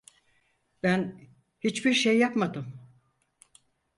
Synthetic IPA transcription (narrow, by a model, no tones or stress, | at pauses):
b̥æn | hit͡ʃbiɾʃejːapmad̪ɯm